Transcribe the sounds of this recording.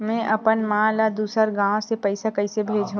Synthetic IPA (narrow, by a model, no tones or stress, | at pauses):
mɛ̃ʔɐpənmãːlad̪uːsəɾɡãːsepɐɪsakɐɪsebʱeːd͡ʒʱɦũː